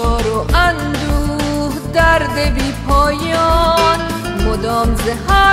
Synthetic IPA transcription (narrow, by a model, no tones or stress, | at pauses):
ɔːɾoʔand̪uːhd̪æɾd̪ebiːpʰɔːjɔn | mod̪ɔːmzehaː